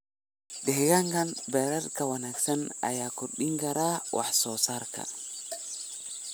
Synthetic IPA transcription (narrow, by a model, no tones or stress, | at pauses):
dɛhɡaŋɡanbɛɾɛɾkawanaksana̰jaːkɔɗiŋɡaɾawʔa̰ħsɔsaɾka̰